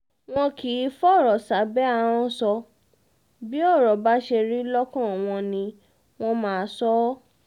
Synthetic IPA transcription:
w̃ɔ̃˧ki˨˦fɔ˦˨ɾɔ˨sa˨˦bɛ˦a˧˨w̃ɔ̃˧sɔ˧ | bi˦ɔ˦˨ɾɔ˨ba˦ʃe˧ɾi˦lɔ˦kɔ̃˦˨w̃ɔ̃˧nĩ˧ | w̃ɔ̃˧mãː˨˦˧sɔ˦

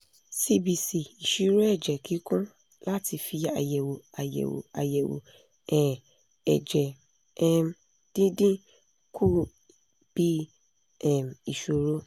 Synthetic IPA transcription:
si˧bi˧si˨i˨ʃi˨˦ɾo˦ɛ˦˨d͡ʒɛ˨ki˨˦kũ˦ | la˦ti˧fi˧a̰˨jɛ˨wo˨a˨jɛ̰˨wo̰˨a̰˨jɛ˨wo̰˨ | ɛ˦˨ | ɛ˨d͡ʒɛ˨ | ɛ˧m | d̥ĩ˦dĩ˦ | ku˦˨ | b̥i˦ | ɛ˦˨m˨i˨ʃo˨ɾo˦

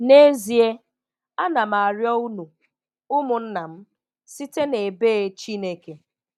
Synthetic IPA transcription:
ne˦zi˨e˦ | a˦na˨m˨a˨ɾjɔ˦u˦nu˨ | ʊ˦mʊ˨n̩˦na˨m̩˦ | si˦te˦ne˨beː˦t͡ʃi˦ne˨ke˨

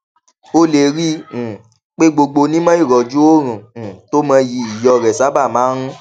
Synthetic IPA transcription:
o˧le˨ɾĩ˦˨ | k͡pe˦ɡ͡bo˧ɡ͡bo˧nĩ˦mã˦i˦˨ɾɔ˨d͡ʒu˦o˦ɾ̃ũ˨to˦mã˧ji˧i˨jɔ˧ɾɛ˨sa˨˦ba˦˨mãː˨˦ɾ̃ũ˦

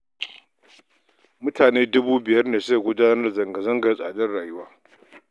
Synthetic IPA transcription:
mʊ˦taː˨neː˦dʊ˦buː˦bɪ˨jɐ˦rneː˨ska˨ɡʷʊ˦daː˦nɐ˦rzɐ˨ŋɡɐ˨zɐ˦ŋɡɐ˨rsʼa̰ː˨dɐ˦rɽaː˨jʊ˦waː˦

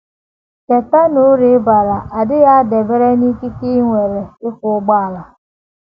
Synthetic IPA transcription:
ke˨ta˦nʊ˦ɾi˨˦ba˨ɾa˨ʔa˨dɪ˦ɣa˦de˨be˦ɾe˦ni˦ki˦ki˦ŋʷe˨ɾe˨ɪ˦kʷʊ˨˦ɡ͡ba˦a˨la˨

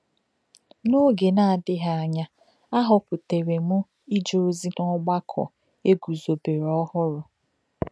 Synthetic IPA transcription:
no˦ɡe˨na˨a˨dɪ˦ɦa˦˨a˨ɲa˦ | a˦ɦʊ˨pʊ˨te˨ɾe˨mʊ˦ | i˦d͡ʒo˦o˦zi˦nɔ˦ɡ͡ba˦kʰɔ̰˨ | e˦ɡu˨zo˨be˨ɾɔ˦hʊ˦ɾʊ˨

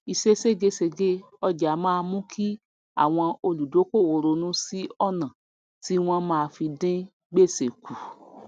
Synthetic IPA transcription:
i˧ʃe˦se˦ɡe˧se˧ɡe˦ | ɔ˧d͡ʒa˨˦mãː˦˧mũ˦kʰi˦ | a̰˦˨w̃ɔ̃˧o˧lu˨do˨˦ko˦˨wo˨ɾo˧nũ˦si˦ɔ˦˨nã˨ | ti˦w̃ɔ̃˦mãː˦˧fi˧dĩ˦ | ɡ͡be˦˨se˨ku˨

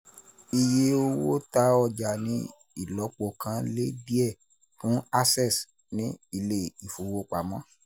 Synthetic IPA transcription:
i˧je˦o˦wo˦ta˧˦ɔ˧˨d͡ʒa˨nĩ˨˦ | ḭ˦˨lɔ˨˦k͡pɔ˧kã˧le˦di˦ɛ˦˨ | fũ˨˦a˦sɛ˦˨s | nĩ˦i˦˨le˦˨i˨fu˨wo˧k͡pa˨mɔ̃˨˦

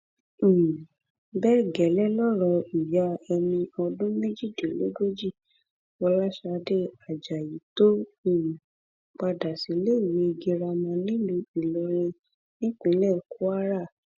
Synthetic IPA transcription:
bɛ˦ɡɛ˨lɛ˦lɔ˦ɾɔ˧i˨ja˧˦ɛ˧mĩ˧ɔ˧dũ˦mẽ˦d͡ʒi˦˨de˨le˦ɡo˦d͡ʒi˦˨ | wɔ˧la˦ʃa˧de˦a˨d͡ʒa˨ji˨˦to˦ĩ˦˨ | k͡pa˧da˨si˨˦le˦i˦˨wi˨˦˧ɡe˧ɾa˧mɔ̃˧nĩ˦lũ˧i˨lɔ˧ɾ̃ẽ˧ | nĩ˦k͡pĩ˨˦lɛ˦˨ku˦a˦ɾa˦˨

